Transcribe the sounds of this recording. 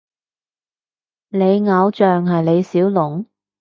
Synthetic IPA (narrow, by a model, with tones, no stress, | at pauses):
le˨˧jŋɐ˨˧wt͡ʃœː˨ŋɦɐ˨jle˨˧jsiː˨˥wlʊ˨˩ŋ